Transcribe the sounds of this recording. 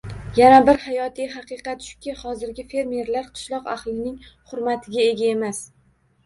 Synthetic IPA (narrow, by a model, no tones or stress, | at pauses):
janabɪɾhajɒt̪ʰijɦɑqɨqɑt̪ʃʊ̥kʲɪhɒzɪɾɡʲɪfe̞ɾme̞ɾlaɾqʰɨ̥ʃlˠɒqa̰χlˠɪnɪŋχʊɾmat̪ʰɪɡʲae̞ɡʲae̞mas